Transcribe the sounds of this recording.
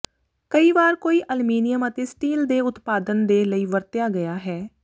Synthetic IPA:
kəiːʋaːɾkoːiːʔəlmiːnɪjəmət̪eːsʈiːld̪eːʊt̪paːd̪ənd̪eːləiːʋəɾt̪jaːɡəjaːɦɛː

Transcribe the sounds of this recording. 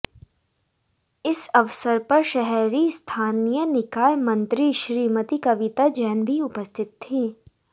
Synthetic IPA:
ɪsɐʋsəɾpɐɾʃɛɦɛɾist̪ʰaːnijənɪkaːjmɐ̃nt̪ɾiʃɾiːmət̪ikɐʋɪt̪ad͡ʒɛːnbʱiʊpəst̪ʰɪt̪ʰːiː

